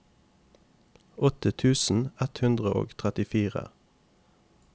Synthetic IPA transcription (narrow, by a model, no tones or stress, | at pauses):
ɔt̪ət̪ʰʉːsn̩ɛt̪hʉnd̪ʁəʔo̰ːɡt̪ʰʁɛt̪ɪfiːʁə̰